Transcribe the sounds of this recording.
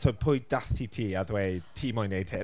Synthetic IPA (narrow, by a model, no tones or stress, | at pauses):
tʰɔjpʰʊɨd̥aθitʰiːaðwejtʰiːmɔjnejtʰeː